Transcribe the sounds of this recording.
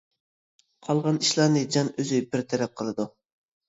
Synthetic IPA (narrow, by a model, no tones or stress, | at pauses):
qʰɑlˠʁɑniʃlˠɑɾnɨd͡ʒɑnøzybɪɾt̪ʰɛɾɛp̚qʰəlˠɨd̪u